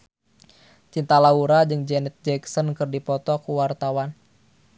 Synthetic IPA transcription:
t͡ʃint̪alauɾad͡ʒɨŋd͡ʒɛnɛt̪̚d͡ʒɛksɔnkɨrdipɔt̪ɔkuwart̪awan

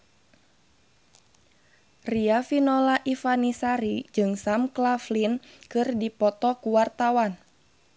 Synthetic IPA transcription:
riafinɔlaʔifanisaɾid͡ʒɨŋsamklaflinkɨrdipɔt̪ɔkuwart̪awan

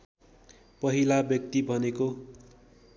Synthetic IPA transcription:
pʌɦilabjʌk̚t̪ibʱʌneko

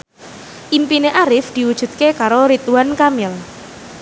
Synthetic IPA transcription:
ʔimpineʔaɾɪfd̪̥i̤wud̥ʒ̥ṳt̪̚kekaɾoɾit̪uankamɪl

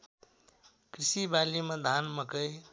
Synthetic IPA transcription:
kɾisibalimãd̪ʱanməkəj

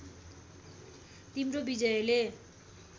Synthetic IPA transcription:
t̪imrobid͡zʌele

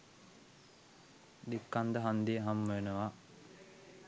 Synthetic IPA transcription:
d̪ikːand̪əɦand̪iəɦamːəenəʋa

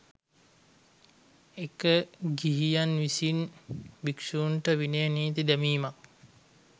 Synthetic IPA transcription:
ekəɡiɦijanʋisinʋikʂuːnʈəʋineniːt̪id̪æmiːmak̚

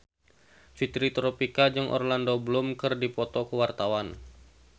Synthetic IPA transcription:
fit̪ɾit̪ɾɔpikad͡ʒɨŋʔɔ̰rlandoblʊmkɨrdipɔt̪ɔkəwart̪awan

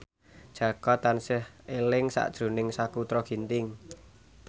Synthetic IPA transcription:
d̥ʒ̥ä̤kɔt̪ːansɪhelɪŋsa̰ʔd̥ʒ̥ɾṳnɪŋsakut̪ɾɔɡ̥i̤nt̪ɪŋ

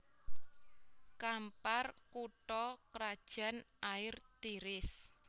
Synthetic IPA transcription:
kamparkuʈɔkɾad̥ʒ̥ä̤nʔaɪrt̪iɾɪs

